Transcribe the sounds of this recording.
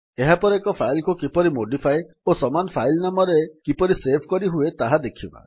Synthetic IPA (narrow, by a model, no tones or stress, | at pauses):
eɦapɔɾekɔpʰajlkukipɔɾimoɖipʰaj | osɔmanɔpʰajlnamɔɾekipɔɾisebʰʱkɔɾiɦuet̪aɦad̪ekʰibã̰